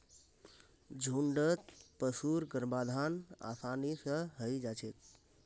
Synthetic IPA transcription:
d͡ʒʱuɳɖət̪pəsuɾɡəɾbad̪ʱana̰pʰanisə̃ɦəjd͡ʒat͡ʃʰet̪̚

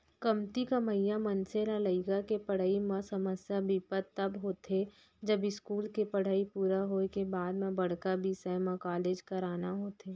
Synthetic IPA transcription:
kɐmt̪ikəməjãmənsenaləɪkakepəɽ̤aːimãsəməsjabiːpət̪ːɐbɦoːt̪e | d͡ʒəbɪskuːlkepɐɽ̤aːipuːɾaɦoekebaːd̪mẽbɐɽ̤kabisəmãkaːleːd͡ʒkɐɾaːnaɦoːt̪eː

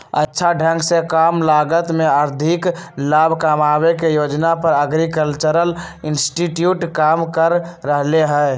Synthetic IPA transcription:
ə̰tːʃʰaɖʱə̃ŋksekamlaɡət̪meəɾd̪ʱiklaːbʱkamabekejod͡ʒnapəɾəɡɾikəlt͡ʃəɾəl | ɪnsʈiʈjuʈkamkəɾːəɦleɦɛ

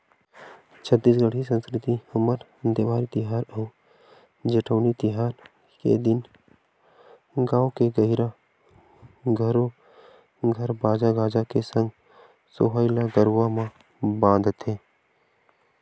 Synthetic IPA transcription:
t͡ʃʰət̪ːiːs̬ɡəɽ̤isə̃nskɾɪt̪ihəməɾ | d̪ebaːɾit̪ɪɦaːɾɔː | d͡ʒeʈʰoːnit̪ɪɦaːɾ | kḛd̪ɪn | ɡaːokeɡəɦɪɾa | ɡʱəɾo | ɡʱəɾbaːd͡ʒaɡaːd͡ʒakesə̃ŋɡ | soɦaːɪlaɡəɾwamã | bãːnd̪ʱt̪ʰeː

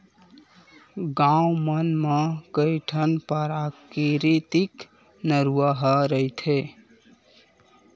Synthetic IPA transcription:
ɡãumənmekəɪʈʰənpəɾakiɾit̪ik | nəɾuaɦəɾəjt̪ʰe

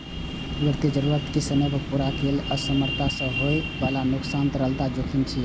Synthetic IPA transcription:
uɾt̪id͡ʒəɾuɾət̪kesəməbʱpuɾakeləsəməɾt̪asə̃ɦoebalanuksant̪ɾəlt̪ad͡ʒokʰint͡ʃʰi

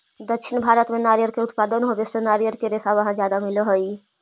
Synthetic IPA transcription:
d̪əkʃʰinbʱaɾət̪menaɾjəɾkeʊt̪pad̪ənɦobesenaɾjəɾkeɾesabəɦãd͡ʒjad̪amilɦəi

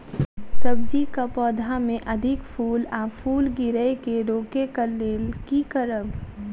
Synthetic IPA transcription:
səbd͡ʒikapɔːd̪ʱamẽʔəd̪ʱɪkpʰuːlapʰuːlɡɪɾəjkeɾoːkekəleːlkikəɾəb

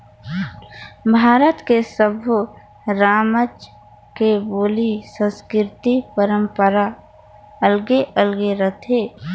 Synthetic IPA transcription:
bʱaːɾət̪kesəbʱu | ɾaːmət͡ʃ | keboːlisə̃nskɪɾt̪ipəɾə̃mpəɾa | əlɡeʔəlɡeɾət̪ʰeː

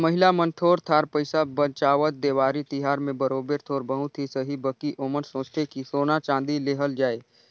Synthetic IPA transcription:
mɐɦɪlamənt̪ʰoːɾt̪ʰaːɾpəɪsabət͡ʃaːʋət̪̚d̪eːʋaːɾit̪ɪɦaːɾmẽbəɾoːbeɾt̪ʰoːɾbəɦũt̪ʰisəɦibəkiʔoːmənsõːst̪ʰekisoːnat͡ʃãːnd̪ileːɦəld͡ʒaːeː

